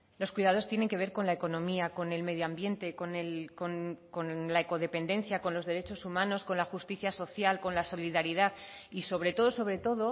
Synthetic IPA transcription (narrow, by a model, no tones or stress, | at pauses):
lo̞skwiðað̞o̞st̪jene̞ŋke̞β̞e̞ɾko̞nlaeko̞nõ̞miako̞ne̞lme̞ð̞joambje̞nt̪e̞ko̞nelkonko̞nlae̞ko̞ð̞e̞pe̞nd̪e̞nθjako̞nlo̞zðe̞ɾe̞t͡ʃo̞sumãno̞sko̞nlaxust̪iθjaso̞θjalko̞nlaso̞liðaɾiðað | iso̞βɾe̞t̪o̞ðo̞so̞βɾe̞t̪oðo̞